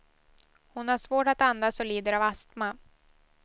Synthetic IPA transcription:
hʊnhaʂvoːʈat̪and̪asɔliːd̪əɾavast̪ma

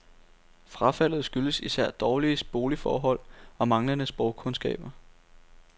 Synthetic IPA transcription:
fʁɑ̈fæl̰ð̩ˠsɡ̥yləsisæɐ̰d̥ɒːliəsb̥o̝ːlifɒːɦɒ̽l̰ɒ̽mɑ̈ŋlɐnəsb̥ʁɒʊkʰɔ̽nsɡ̥ɛ̰ːb̥ɐ

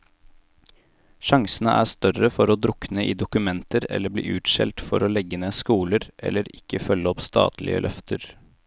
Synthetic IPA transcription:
ʃɑŋsənəʔæːst̪œrəfɔɾoːd̪ɾʊknəʔiːd̪ʊkʉmɛnt̪əɾɛ̰lːəblḭːʔʉːt̪ʃɛ̰lt̪fɔɾoːlɛɡːəneːskuːləɾʔɛ̰lːəɾɪkːəfœlːəɔpst̪ʰɑ̰ːt̪lɪ̰ə̰lʔœft̪ʰəɾ

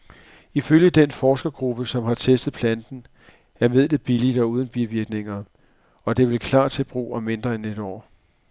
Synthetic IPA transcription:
iføljəd̥enfɒːsɡ̥ɐɡ̥ʁub̥əsɒ̽mɦɑ̈t͡sʰesd̥əð̞̩ˠpʰlænd̥n̩ | æɐme̝ð̰ˠd̥eb̥ilid̥ɒ̽uːð̞ˠn̩b̥iʋiɐɡ̥ne̝ŋɐ | ɒ̽d̥e̝ʋelkʰlɑ̰̈ːd̚t͡sʰe̝b̥ʁṵːɒme̝nd̥ʁɐene̝d̥ɒ̰ː

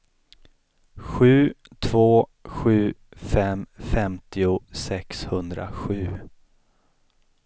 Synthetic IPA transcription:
ɧʉ̟ː | t̪ʰv̥oːɧʉ̟ːfɛmfɛmt̪ʰɪʊsɛkshɵnd̪ɾa̰ɧʉ̟ː

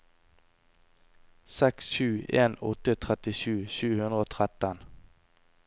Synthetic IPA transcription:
sɛksʃʉːʔeːnɔt̪ət̪ʰʁɛt̪ɪʃʉːʃʉːhʉnd̪ʁəoːt̪ʰʁɛt̪ən

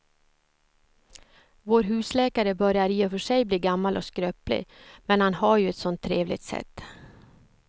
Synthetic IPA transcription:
voːɾɦʉ̟ːslɛːkaɾəbœɾjaɾiːɛfœʂɛjbliːɡamːalʔɔ̰skɾøːplɪ̰mɛnhanhaɾjɵɛt̪sɔnt̪ʰːɾeːvlɪ̰t̪sɛ̰t̪ː

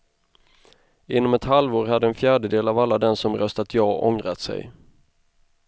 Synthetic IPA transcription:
ɪnːɔmɛt̪halvoːɾhad̪ːəɛnfjæːɖəd̪eːlavalːad̪ɛnsɔmɾœst̪at̪ʰjɑːʔɔŋɾat̪sɛ̰j

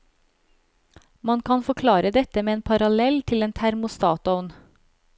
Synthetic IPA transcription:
mɑnkʰɑnfɔkʰlɑːɾəd̪ɛt̪əmeːeːnpʰɑɾɑlɛlt̪ʰɪleːnt̪ʰæɾmʊst̪ɑːt̪ʊn

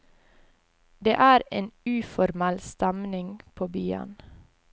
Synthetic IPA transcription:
d̪ḛːʔæːɾeːnʉːfɔɾmælst̪æmnɪŋpʰoːbyːɑ̰n

